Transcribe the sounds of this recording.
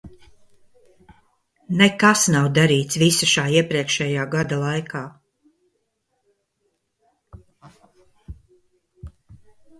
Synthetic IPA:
nekasnawd̪aɾiːt̪svisaʃaːiɛpɾiɛkʃɛjaːɡad̪alˠajkʰaː

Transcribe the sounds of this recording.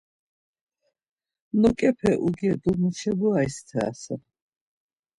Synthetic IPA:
nɔkʼɛpʰɛʔuɡiɛɡ̪umuʃɛbuajst̪ʰɛa̰sɛ

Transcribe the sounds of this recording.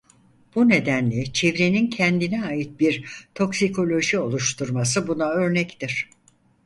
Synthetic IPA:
b̥une̞d̪ænlʲɛt͡ʃʰevɾe̞nincʰɛnd̪inɛaːjit̪̚biɾt̪ʰo̞ksikʰo̞lʲo̞ʒio̞lˠuʃt̪ʰuɾmasɯbunaø̞ɾnɛct̪ʰiɾ̥

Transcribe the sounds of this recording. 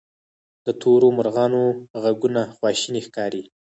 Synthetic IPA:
d̪̥ət̪ʰoɾomʊɾɣɑnoɣaɡunaxwɑʃinixkɑɾi

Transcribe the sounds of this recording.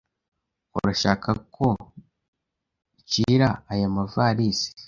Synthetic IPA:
ṵɾaʃaːkʰako̞ | ciɾaajamavaːɾiːsi̥

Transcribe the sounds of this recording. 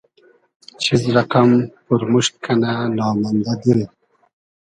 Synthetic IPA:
t͡ɕʰizɾaqampuɾmuʂt̪̚kʰananɑːmand̪ad̪iɾi

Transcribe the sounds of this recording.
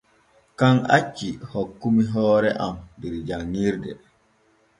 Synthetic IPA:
kaŋa̰t͡ʃːihɔkːumiɦɔːɾɛʔamdiɾd͡ʒaŋːiɾdɛ̰

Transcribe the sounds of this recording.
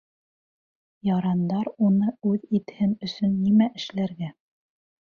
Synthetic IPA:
jɑɾɑnd̪ɑɾunɤʉðit̪hɘnɵ̆sɵnːimæʔɘ̆ʃlæɾɡæ

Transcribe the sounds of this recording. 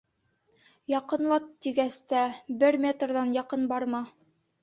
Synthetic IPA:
jɑqɤ̆nlˠɑt̪ːiɡæst̪æbɘɾmʲet̪rðɑnjɑqɤnbɑɾmɑ

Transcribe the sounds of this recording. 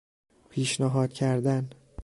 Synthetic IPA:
pʰiːʃnæɦɒːd̪̥cʰæɾd̪æn

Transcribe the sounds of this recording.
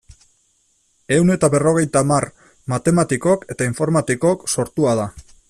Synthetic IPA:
e̞une̞t̪aβe̞ro̞ɣ̞e̞jt̪amar | mat̪e̞mat̪iko̞ke̞t̪aiɱfo̞ɾmat̪iko̞kso̞ɾt̪uað̞a

